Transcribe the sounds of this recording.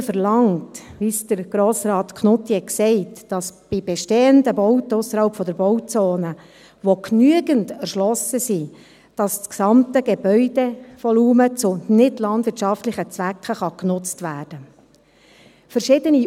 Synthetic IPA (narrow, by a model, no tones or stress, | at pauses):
fəɾlɑŋtʋiːsd̥əɾɡ̥ɾoːsɾɑːtkχnʊt̪ːiɛksɛɪtd̥ɑsb̥ɪbɛʃteːəndəbɔwtəʊsːəɾhɑlpfɔd̪əɾbɔwt͡soːnə | ʋoknyəɡəntɛɾʃlɔsəsi | d̥ɑst͡sksɑmtəɡebœʏd̥eʋɔluːmət͡sʊnɪdlɑndʋɪɾtʃɑftlɪχət͡sʋækχəχɑknʊt͡stʋæːrd̥ə | fəɾʃɪdəni